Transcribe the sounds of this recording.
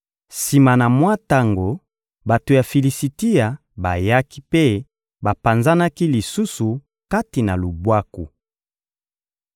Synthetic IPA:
si˨ma˨na˨mwa˦ta˦ŋɡo˨ | ba˨to˨ja˨fi˨li˨si˨ti˦ja˨ | ba̰˨ja˦ki˦pe˦ | ba˨pa˨nza˦na˦ki˦li˨su˦su˨ | ka˦ti˨na˨lu˨bwa˦ku˨

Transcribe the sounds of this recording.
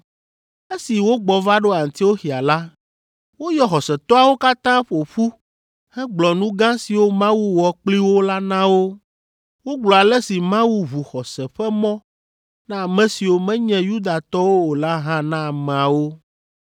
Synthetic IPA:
e˦si˨wo˦ɡ͡bɔ˨va˦ɖo˦a˨ŋ̩˨t̪i˦wo˦xi˨a˨la˦ | wo˦jɔ˦xɔ˨sɛ˨t̪ɔ˦a˨wo˦ka˦t̪ã˦ɸo˨ɸu˦ | hɛ˦ɡ͡blɔ˨nũ˦ɡã˦si˨wo˦mã˦wu˦wɔ˨k͡pli˦wo˦la˦nã˦wo˦ | wo˦ɡ͡blɔ˨a˨lɛ˦si˨mã˦wu˦βu˨xɔ˨sɛ˨ɸɛ˦mɔ̃˦ | nã˦a˨mɛ̃˨si˨wo˦mɛ̃˦ɲɛ̃˦ju˦d̪a˨t̪ɔ˦wo˦o˨la˦ɦã˦nã˦a˨mɛ̃˨a˨wo˦

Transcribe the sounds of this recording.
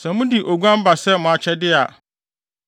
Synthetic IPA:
sɛ̃˨mũ˦di˨ʔo˨ɡʷã˦m̩˦ba˨sɛ˦mʊ̃˨a˨t͡ɕʰɛ˦dɪ˦a˨

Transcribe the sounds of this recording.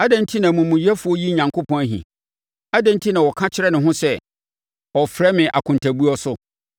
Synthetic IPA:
a˦dɛ̃˦n̩˦tʰi˦nã˨mũ˨mũ˨jɛ˦fu˨ɔ˦ji˦ɲã˨ŋkʰʊ˦pʰɔ̃˦æ˦ɦḭ̃˨ | a˦dɛ̃˦n̩˦tʰi˦nã˨wɔ˨kʰã˦t͡ɕʰɪ˦ɾɛ˦nʊ̃˨ɦʊ̃˦sɛ˦ | ɔ˨fɾɛ˦mɪ̃˨ʔa̰˨kʰʊ̃˨ntʰa˨bu˦ɔ˦sʊ˦

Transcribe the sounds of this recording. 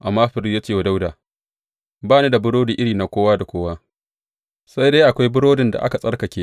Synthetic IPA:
ʔa˨mːaː˦ɸɪ˦ɾi˦jaː˦t͡ʃeː˦˨wa˨da˦wdaː˨ | baː˦neː˦da˨bʊ˦ɽoː˦diː˨ʔɪ˦ɽiː˨na˨˦kʷoː˦waː˦da˨kʷoː˦waː˦ | sa˦jda˦jʔa˨kʷa˦jbʊ˦ɽoː˦dɪ˨nda̰˨ʔa̰˦ka˨sʼɐ˦rkɐ˨kʲeː˦

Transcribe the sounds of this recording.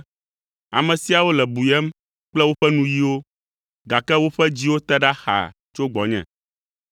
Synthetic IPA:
a̰˨mɛ̃˨si˦a˨wo˦lɛ˨bu˨jɛ˦m | k͡plɛ˦wo˦ɸɛ˦nũ˦ji˦wo˦ | ɡa˨kɛ˦wo˦ɸɛ˦d͡ʑi˦wo˦t̪ɛ˦ɖa˦xa̰˨ | t͡ʃo˦ɡ͡bɔ˨ɲɛ̰̃˨

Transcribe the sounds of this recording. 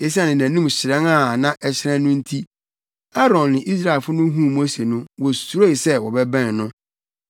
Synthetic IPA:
e˨s̬i˦a˦nɪ̃˨næ̃˨nũ˦mɕɪ˨ɾɛ̃˦ŋa˦˨nã˦ʔɛ˨ɕɪ˦ɾã˦nʊ̃˦n̩˦tʰi˦ | a˦ɾɔ̃˨nːɪ̃˨ʔi˦s̬ɾa˦˨fʊ˦nʊ̃˦ɦũ˦˨mũ˦æ˦se˨nʊ̃˦wɔ˨su˨ɾo˦i˨sɛ˦wɔ˨bɛ˦bæ̃˦˨nnʊ̃˦

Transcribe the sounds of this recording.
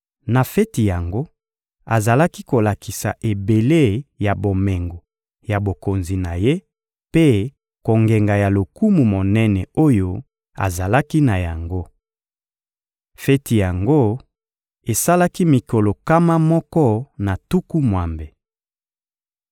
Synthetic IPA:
na˨fɛ˦ti˨ja˨ŋɡo˦ | a˨za˨la˦ki˦ko˨la˨ki˨sa̰˨ʔe˨be˨le˦ja˨bo˨mɛ˨ŋɡo˨ | ja˨bo˨ko˨nzi˨na˨je˦ | pe˦ | ko˨ŋɡɛ˨ŋɡa˨ja˨lo˨ku˦mu˨mo˨nɛ˦nɛ˨o˦jo˦ | a̰˨za˨la˦ki˦na˨ja˨ŋɡo˦ | fɛ˦ti˨ja˨ŋɡo˦ | e˨sa˦la˦ki˦mi˨ko˨lo˨ka˦ma˦mɔ˦kɔ˦na˨tu˦ku˦mwa˨mbe˨

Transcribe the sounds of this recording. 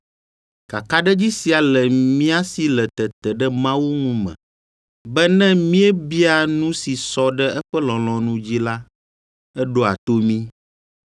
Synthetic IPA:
ka˨ka˦ɖɛ˦d͡ʑi˦si˨a˨lɛ˨mĩ˦a˦si˨lɛ˨t̪ɛ˨t̪ɛ˨ɖɛ˦mã˦wu˦ŋũ˦mɛ̰̃˨ | bɛ˦nɛ̃˦mĩ˦ɛ˦bi˦a˨nũ˦si˨sɔ˦ɖɛ˦ɛ˦ɸɛ˦lɔ̃˨l̃ɔ̃˨nũ˦d͡ʑi˦la˦ | ɛ˦ɖo˦a̰˨t̪o˦mĩ˦

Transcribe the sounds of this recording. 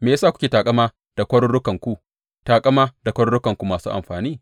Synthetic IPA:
meː˨ja˦saː˦˨kʊ˦kʲeː˨taː˨kʼɐ˦maː˦ | d̥a˨kʷɐ˦ɽʊ˦ɽʊ˦kɐ˨ŋkʷu˦ | taː˨kʼɐ˦maː˦da˨kʷɐ˦ɽʊ˦ɽʊ˦kɐ˨ŋkʷu˦maː˨sṵː˦ʔa̰˨mɸaː˨niː˦˨

